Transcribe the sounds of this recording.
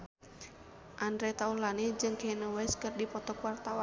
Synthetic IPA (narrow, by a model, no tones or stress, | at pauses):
ʔandɾɛt̪aulanid͡ʒɨŋkɛnowɛskɨrdipɔt̪ɔkwart̪awa